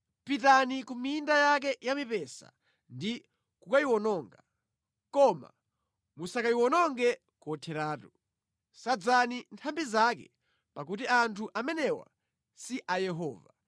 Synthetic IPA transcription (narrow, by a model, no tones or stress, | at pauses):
pitanikumiːndajak̬ɛjamipɛsa̰ | ndi | kukaiwɔnɔŋɡa | kɔma̰ | musakaiwɔnɔŋɡɛ | kɔtʰɛɾaːtu | sad͡zanintʰambizakɛ̰ | pakut̬iantʰuʔamɛnɛwa̰ | siʔajɛɦɔːva